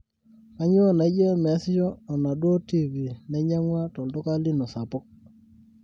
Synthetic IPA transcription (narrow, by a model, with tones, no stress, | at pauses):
ka˦ɲ˦o˦na˨˦d͡ʒa˦m˨a˦sɪ˦jɔ˦ɔ˨na˨dwo˦ti˦vi˨nɛ˦ɲa˦ŋwa˦tɔ˨ltɔ˦ka˦li˦nɔ˨sa˨pɔ˦k̚